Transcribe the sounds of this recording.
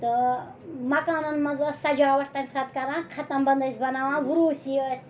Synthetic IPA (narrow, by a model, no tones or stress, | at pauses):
t̪ə | mɐkaːnɐnmɐnzɐsɐd͡ʒaːʋɐʈʰt̪ɐnʲsɐt̪kɐɾãːkʰɐt̪ɐmbɐnd̪ɐsbɐnaːʋãːʋuɽuːsiəsʲ